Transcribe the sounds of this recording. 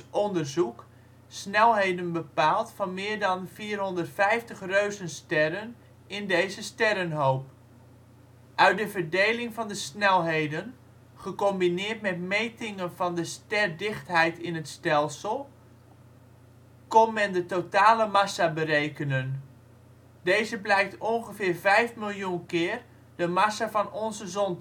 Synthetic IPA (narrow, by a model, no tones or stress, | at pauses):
ʔɔndərzuk | snɛlˠɦejdənbəpaːlˠtfɑnmɪːrdɑnfiːrɦɔndərtfɛjftəχrøɥzənstɛrən | ɪndejzəstɛɾənɦowp | ʔœɥt̚dəvərdejlɪŋvɑndəsnɛlˠɦejdən | χəkɔmbinɪːtmɛtmejtɪŋənvɑndəstɛrdɪχtɦɛjtɪnɦətstɛlˠsəlˠ | kɔnmɛndətotaːləmɑsabərejkənən | dejzəblɛjk̚tɔnχəvɪːrvɛjfmɪlˠjunkɪːr | dəmasavɑnɔnzəzɔn